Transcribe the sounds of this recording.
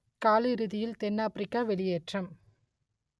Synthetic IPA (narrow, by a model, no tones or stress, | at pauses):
kaːlɪɾɯðɪjɪlt̪ɛnːaːpɾɪkːaːʋɛɭɪjeːʈrɐm